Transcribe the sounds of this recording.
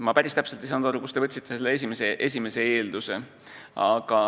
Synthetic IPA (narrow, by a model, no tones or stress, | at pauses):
mɑpæɾʲist̪æpselt̪ːisɑːnd̪̥ɑɾukust̪e̞vɤt̪ʲsit̪ːeselːees̬ʲimeseʔe̞s̬ʲime̞se̞e̞ːld̪use̞ | ɑɡ̥ɑ